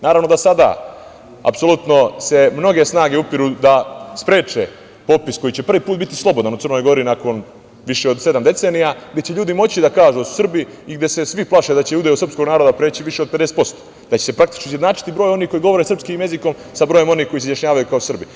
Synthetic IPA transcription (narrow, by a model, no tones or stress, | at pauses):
naːɾaʋnod̪asad̪a̰ | a̰pso̞lˠut̪no̞se̞mno̞ɡe̞snaːɡeupiɾud̪aspɾe̞ːt͡ʃḛ | po̞pisko̞jit͡ɕe̞pr̩ʋipuːt̪bit̪islˠo̞bod̪anut̪ɨr̩no̞jɡo̞ɾinako̞n | ʋiʃeod̪se̞d̪amd̪e̞t̪se̞ːnijaɡd̪e̞t͡ɕeʎuːd̪imo̞t͡ɕid̪akaːʒud̪asu̥sr̩biiɡd̪je̞se̞sʋiplˠaʃed̪at͡ɕeud̪ajosrpsko̞ɡnaːɾo̞d̪apɾe̞ːt͡ɕiʋiʃe̞od̪̚pe̞d̪ese̥t̪po̞st̪o̥ | d̪at͡ɕe̞̥se̞pɾakt̪i̥t͡ʃnoizjd̪naːt͡ʃi̥t̪ibɾojo̞nihko̞jiɡo̞ʋoɾesɾr̩pskimje̞ziko̞m | sabɾo̞je̞mo̞niːhko̞is̬ezjaʃɲaːʋajukaosr̩bi